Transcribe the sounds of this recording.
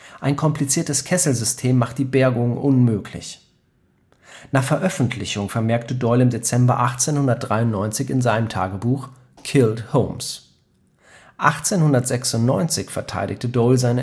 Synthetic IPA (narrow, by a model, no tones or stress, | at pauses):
ʔaɪnkʰɔmplit͡siːɐtəskʰɛsl̩zʏstʰeːmːaχt̚d̥iːbɛɐɡʊŋʔʊnmøːkʰlɪ̰ç | naːχfɛɐʔœfn̩tʰlɪçʊŋfɛɐmɛɐktədɔɪlɪmdet͡sɛmbɐ̰ʔaχt͡seːnhʊndɐt̚d̥ʁaɪʊntnɔʏnt͡sɪçɪnzaɪnəmtʰa̰ːɡəbuːx | kʰɪlthoʊms | ʔa̰χt͡seːnhʊndɐtz̥ɛksʊntnɔʏnt͡sɪçfɛɐtʰa̰ɪdɪçtədɔlzaɪnə